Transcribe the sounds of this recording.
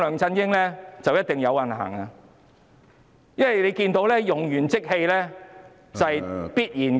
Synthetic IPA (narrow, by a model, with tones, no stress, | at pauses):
lœː˨ŋt͡sɐ˧njɪ˥ŋlɛː˥t͡sɐ˨wjɐ˥t̚t̪ɪ˨ŋjɐ˨˧wːɐ˨˩nha̰ː˨˩ŋa˧ | jɐ˥nwɐ˨˩jle˨˧jkiː˧nt̪o˨˥wlɛː˥jʊ˨˩ŋjyː˨˩nt͡sɪ˥k̚he˧jlɛː˥ | t͡sɐ˨jpiː˥t̚jiː˨˩n